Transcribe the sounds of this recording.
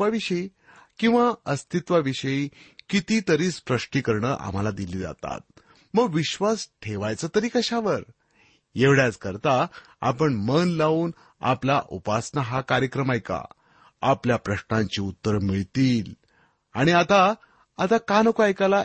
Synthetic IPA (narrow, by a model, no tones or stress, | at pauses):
aʋiɕəi | kĩw̃ʋaəst̪ʰit̪ʋaʋiɕəjikit̪it̪əɾiːspɾəʂʈikəɾɳəʔa̰m̤alad̪iliːd͡za̰t̪a̰t̪̚ | məɡʋiɕʋasʈʰeʋajt͡sət̪əɾiːkəɕaʋəɾ | jeʋɽjat͡skəɾt̪a | a̰pəɳmənlauːn | a̰plaʔupasnəɦakaɾjəkɾəmajka̰ | apljapɾəɕnãɲt͡ɕiːut̪ːəɾmiɭt̪iːl | aɽ̃iat̪a | at̪akanəkoajkala